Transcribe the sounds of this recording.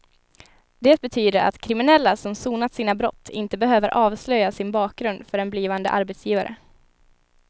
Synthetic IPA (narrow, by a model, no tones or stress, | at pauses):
d̪ɛːt̪̚bɛt̪ʰyːd̪əɾʔa̰t̪kʰɾɪmɪnɛlːasɔmsuːnat̪siːnabɾɔ̰t̪ʰːɪ̰nt̪əbɛɦøːvəɾʔɑːvslœjːasɪnbɑːk̚ɡɾɵnd̪fœɾɛnbliːvand̪ə̰ʔa̰ɾbɛːt̪sjiːvaɾʔə̰